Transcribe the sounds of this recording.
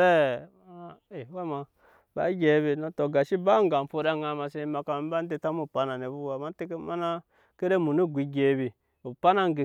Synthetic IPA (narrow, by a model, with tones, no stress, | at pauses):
e˦˨ | e˨wa˦ma˨ | ba̰˨˦ɡʲe˨˦bi˨no˨to˨ɡa˨ʃi˦ba˦ŋɡa˨m˨fu˦da˦ŋa˨ma˨se˦ma˨ka˨˦ba˦n˦de˨ta˦mu˦˨pa˦na˨ne˨bu˦wa˨ma˦te˦ke˦ma˦na˦ | ke˦ɾe˦mu˨nu˦ɡʷi˨ɡʲe˨bi˨ | u˨pa˦na˦ŋ˦ɡe˨